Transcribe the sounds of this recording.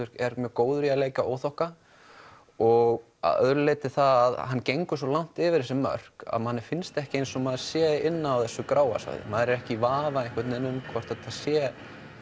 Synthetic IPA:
ɪɾ̥ɛɾmjœːkoːwðʏɾialeːjcao̰ːwθɔhka | ɔɣ | a̰œ̰ðɾʏlejt̪ɪθaðaðɦanːcejŋkʏ̥sɔlawŋ̥t̪ɪːvɪɾɛsɪmːœ̰r̥ka̰ðmanːɛɾ̥fɪnst̪ɛhcɪejnsɔmaːð̥sjɛːɪnːaːwθɛsːʏkɾaːwa̰sa̰jðɪ̰maːðɾɪɾɛhcɪvaːvaɛŋkʰvɪt̪nɪnːʏmkʰvɔr̥t̪at̪ʰasjɛ

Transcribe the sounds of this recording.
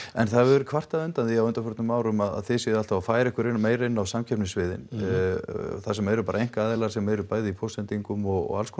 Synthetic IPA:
ɛnθaɛɾʏkʰvar̥t̪aðʏnt̪anðiawʏnt̪aɾfʏɾt̪nʏmːaːwɾʏmaða̰ðθɪsɪðalt̪avafaːjɾɛhkʏɾɪnmeːjɾɪnːawsamcʰɛpnɪsvɪðɪ̰n | θasɛmɛːɾʏpaːɾaejŋ̥kaaːðɪlaɾ̥sɛmɛɾʏpaːjðɪipʰowst̪ɛnt̪iŋkʏmɔɣɔ̰ɣa̰lskʰɔ

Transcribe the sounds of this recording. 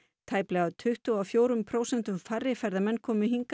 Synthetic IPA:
t̪ʰaːjplɛɣat̪ʰʏht̪ʏawfjoːwɾʏmpʰɾoːwsɛnt̪ʏmfarːɪfaɾðamɛnːkʰɔːmɪɦiŋka

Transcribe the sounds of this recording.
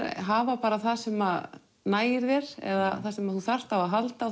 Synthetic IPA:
ɦaːvapaːɾaθaðsɛmað | naːjɪɾvɛɾ̥ɛ̰ðaθasɛmaðθuθar̥t̪avaɦalt̪a

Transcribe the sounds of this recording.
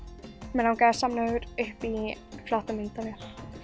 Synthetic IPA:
mɛnhankajðḁsamnavʏɾʏhpi | flɔht̪amint̪avjɛl

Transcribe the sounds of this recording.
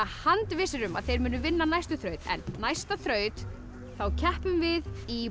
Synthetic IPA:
hant̪vɪsɪɾʏmaðθejɾmʏːnʏvɪnːanajst̪ʏθɾœːɥt̪ɛ̰nːajst̪aθɾœːɥt̪ | θawcʰɛhpʏmvɪði

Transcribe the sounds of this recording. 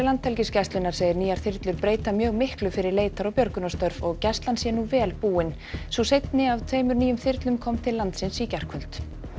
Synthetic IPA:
lant̪ʰɛlcɪscajst̪lʏnaɾ̥seːjɪɾniːaɾ̥θɪɾt̪lʏɾpɾeːjt̪amjœːɣmɪhklʏfɪɾɪɾleːjt̪aɾɔwpjœɾkʏnast̪œɾvɔɣcɛst̪lansjɛnuvɛːlpuːɪn | svusejt̪nɪavt̪ʰveːjmʏɾniːjʏmθɪɾt̪lʏmkʰɔmt̪ʰɪlːant̪sɪnsicar̥kʰvœlt̪

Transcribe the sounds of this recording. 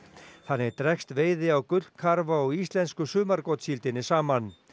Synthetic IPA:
θanːɪɛɾt̪ɾɛkst̪veːjðɪawkʏlkʰaɾvaɔɣist̪lɛnskʏsʏːmaɾkɔt̪silt̪ɪnɪsaːman

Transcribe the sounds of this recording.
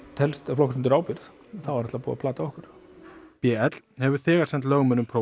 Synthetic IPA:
t̪ʰɛlst̪flɔksɪnt̪ɪɾaːwpɪɾð | θawvaɾɛht̪apuːða̰pʰlaːt̪aɔhkʏɾ̥pɛːɛt̪lhɛvʏɾ̥θɛːɣaɾsɛnt̪lœɣmʏnːʏmpʰɾo

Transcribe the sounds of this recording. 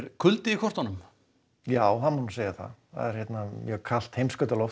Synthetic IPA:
ɾkʰʏlt̪ɪikʰɔr̥t̪ɔnʏm | jaːwɦanmunseːjɪθa̰ða̰ðɛɾ̥çjɛt̪najɛɣkʰal̥t̪hejmskœt̪alɔf

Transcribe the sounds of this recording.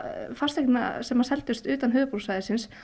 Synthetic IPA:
far̥t̪ɛknna̰sɛmːasɛlt̪ʏst̪ʏːt̪anɦʏːðʏpuɾsaːjðɪsɪns

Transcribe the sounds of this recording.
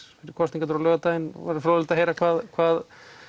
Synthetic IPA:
fɪɾɪɾ̥kʰɔst̪iŋkat̪ʏɾalœːɣat̪ajɪnɔ̰va̰ɾɪfɾoːðlɪt̪aɦejɾakʰvaːðkʰvaːð

